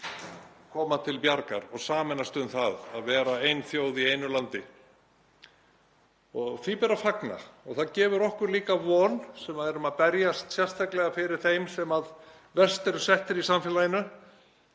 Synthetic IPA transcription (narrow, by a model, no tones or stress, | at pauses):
kʰɔːmat̪ʰɪlpjaɾka̰ɾɔɣsaːmɛnast̪ʏmθaðaðvɛːɾaejnθjoːwðieːjnʏlant̪ɪ | ɔɣθipɛɾafakna̰ɔɣθaðcɛːvʏɾɔhkʏɾliːkavɔːnsɛmaðɛɾʏmaðpɛɾjast̪sjɛr̥t̪ʰaklɛɣafɪɾɪɾ̥θejmsɛmað | vɛrst̪ɛɾʏsɛht̪ɪɾisamfjɛlajɪnʏ